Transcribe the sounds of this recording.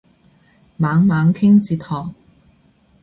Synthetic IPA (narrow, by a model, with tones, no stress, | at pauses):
maː˨˥ŋmaː˨˥ŋkʰɪ˥ŋt͡siː˧˩t̪̚hɔː˨˩ŋ̚